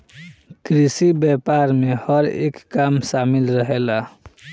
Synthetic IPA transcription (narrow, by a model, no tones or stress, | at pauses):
kɾisibɛpaɾmehəɾḛːkːamʃamɪlɾəɦela